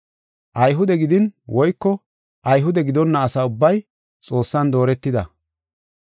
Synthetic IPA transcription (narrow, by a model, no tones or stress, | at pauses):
ʔɐjɦʊd̪ɛɡɪd̪ɪnwɔjkːɔ | ʔɐjɦʊd̪ɛɡɪd̪ɔnːɐːsɐːʊbːɐj | t͡sʼo̞ːsːɐnd̪oːɾɛt̪ːɪd̪ɐ̰